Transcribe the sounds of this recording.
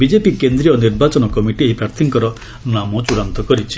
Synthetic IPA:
bid͡ʒepikend̪ɾijɔniɾbat͡ʃɔnɔkɔmiʈieɦipɾaɾt̪ʰiŋkɔɾɔ | namɔt͡ʃuɽant̪ɔkɔɾit͡ʃʰi̥

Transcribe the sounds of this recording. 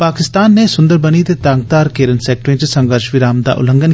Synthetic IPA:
paːkɪst̪aːnːesʊ̃nd̪əɾbənit̪et̪aːŋɡ̚t̪aːɾkeːɾənsɛːk̚ʈɾẽːt͡ʃsə̃ŋɡəɾʃʋɪɾaːmd̪a̰ːʔʊ̰lə̃ŋɡən

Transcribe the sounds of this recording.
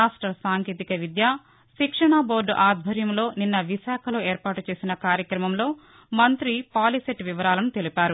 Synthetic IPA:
aːʂʈɾɐsaːŋkeːt̪ikɐʋid̪jaː | ʃikʂɐɳabo̞ːɾɖʔaːd̪̚ʱbʱɐɾjɐmlo̞ːninːɐʋiʃaːkʰɐlo̞ːeːɾpaːʈut͡ʃe̞ːsinɐkaːɾjɐkɾɐmɐmlo̞ː | mɐnt̪ɾipaːliseʈːʋiʋɐɾaːlɐnut̪e̞lipaːɾu

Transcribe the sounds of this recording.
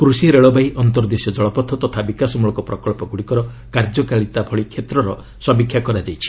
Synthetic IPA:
kɾusiɾeɭɔbajʔɔnt̪ɔɾɔd̪esjɔd͡ʒɔɭɔpɔt̪ʰːɔt̪ɔt̪ʰabikasɔmuɭɔkɔpɾɔkɔɭpɔɡuɽikɔɾɔ | kaɾd͡ʒɔkaɭit̪abʱɔɭikʰet̪ɾɔɾɔ | sɔmbikʰːjakɔɾad͡ʒajt͡ʃʰi̥

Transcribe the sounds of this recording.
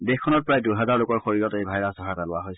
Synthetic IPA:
dexkʰːɔnɔt̚pɹajduɦɛzaɹlʊkɔɹxoɹiɹɔtejbʱajɹasdʱɔɦatalʊwaɦojs

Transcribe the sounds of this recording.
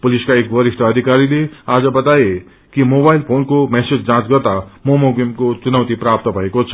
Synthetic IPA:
pʊliskaeːkʋəɾiʂʈəːd̪ʱikaːɾileaːd͡ʒəbɐt̪aːje | kimoːbaːilpʰoːnkomɛːsed͡ʒd͡ʒãːt͡ʃɡəɾt̪amomoɡemkot͡ʃunəʋt̪ipɾaːp̚t̪əbʱɐekot͡ʃʰɐ̥

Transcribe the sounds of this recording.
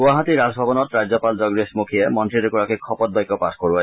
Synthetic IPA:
uaɦat̪iɾad͡ʑbʱɔbɔnɔt̪ɾad͡ʑɔpald͡ʒɔɡɾesmukʰiemɔnt̪ɾiɾukuɾakikʰɔpɔt̪̚bajkːɔpaskoɹua

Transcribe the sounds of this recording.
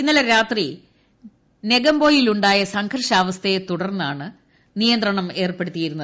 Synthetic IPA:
inːɐlɐɾaːt̪ri | ne̞ɡɐmbo̞ːjiluɳɖaːjɐsɐŋkʰɐrʂaːʋɐst̪ʰɐjet̪uɽɐrnːaːɳɨ | nijɐnd̪rɐɳɐme̞ːrpe̞ɽut̪ːijiɾunːɐðɨ

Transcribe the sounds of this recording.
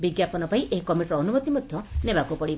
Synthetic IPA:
biɡjapɔnɔpaiʔeikɔmiʈɾɔːnubot̪imɔd̪ʱjɔnebakupɔɽi

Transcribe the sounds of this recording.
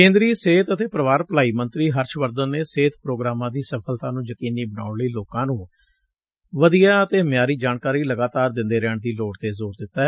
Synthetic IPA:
kẽːnd̪ɾiːseːt̪ət̪eːpɾəʋaːɾpəlaːiːmənt̪ɾiːɦəɾʃʋəɾd̪ənːeːseːt̪ʰpɾoːɡɾaːmãːd̪iːsəpʰəlt̪ãːnũːjəkiːniːbənaːʊɳləiːloːkãːnũː | ʋəd̪ijaːət̪eːəmjaːɾiːd͡ʒaːɳkaːɾiːləɡaːt̪aːɾd̪ɪ̃nd̪eːɾɛːɳd̪iːloːɽt̪eːzoːɾd̪ɪt̪ːaːɛ

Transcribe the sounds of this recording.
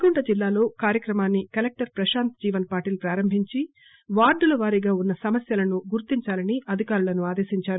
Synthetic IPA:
ɡuɳʈɐd͡ʒilːaːlo̞ːkaːɾjɐkɾɐmaːnːikɐlek̚ʈɐɾpɾɐʃaːnt̪d͡ʒiːʋɐnɐpaːʈiːlpɾaːɾɐmbʱiɲt͡ʃi | ʋaːɾɖulɐʋaːɾiɡaːunːɐsɐmɐsjɐlɐnuɡuɾt̪iɲt͡ʃaːlɐniʔɐd̪ʱikaːɾulɐnuaːd̪e̞ːʃiɲt͡ʃaːɾu

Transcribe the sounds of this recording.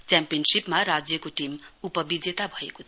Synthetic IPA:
t͡sjampijʌnsipmaɾad͡zjʌkoʈimupʌbid͡zet̪abʱʌeko

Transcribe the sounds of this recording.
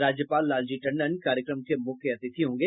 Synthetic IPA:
ɾaːd͡ʒjəpaːlːaːld͡ʒiʈɐ̃ɳɖənkaːɾjəkɾəmkemʊkʰjɐt̪ɪt̪ʰiɦõːŋɡeː

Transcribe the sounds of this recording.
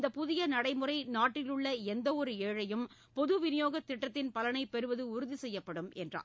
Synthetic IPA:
nd̪ɐpʊðɪjɐnɐɽɐɪmɯrɐɪnaːʈːɪlɯɭːɐɛnd̪ɐɔɾɯeːɻɐjɯm | pɔðɯʋɪnɪjoːɣɐt̪ːɪʈːɐt̪ːɪnpɐlɐnɐɪpɛɾɯʋɐðɯʊɾʊðisɛjːɐpːɐɽɯmɛndra̰ː

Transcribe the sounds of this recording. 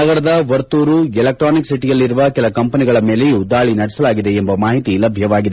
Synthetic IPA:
ɐɡɐɾɐd̪ɐʋɐɾt̪uːɾuɛlek̚ʈɾaːniksiʈijɐlːiɾuʋɐkɛlɐkɐmpɐniɡɐɭɐme̞ːlejuːd̪aːɭinɐɽɛsɐlaːɡid̪e̞ːmbɐmaːɦit̪ilɐbʱjɐʋaːɡid̪e

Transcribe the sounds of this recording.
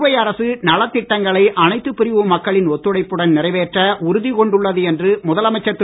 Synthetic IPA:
ʋɐjɐɾɐsɯnɐlɐt̪ːɪʈːɐŋɡɐɭɐɪʔɐnɐɪt̪ːɯpːɪɾɪʋɯmːɐkːɐɭɪnɔt̪ːɯɽɐɪpːɯɽɐnnɪrɐɪʋeːʈrɐʊɾʊðikɔɳɖɯɭːɐðɯɛndrɯmʊðɐlɐmɐɪt͡ʃːɐt̪ː

